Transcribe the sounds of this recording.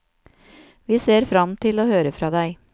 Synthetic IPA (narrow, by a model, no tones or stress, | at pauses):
ʋiːseːɾfɾɑmt̪ʰɪloːhøːɾəfɾɑːd̪æɪ